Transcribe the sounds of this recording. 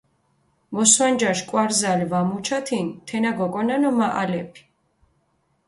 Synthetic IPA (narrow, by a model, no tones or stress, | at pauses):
mɔswand͡ʒaʃkʼwaɾzalivamut͡ʃʰat̪ʰint̪ʰɛnaɡɔkʼɔnanɔmaʔalɛpʰi̥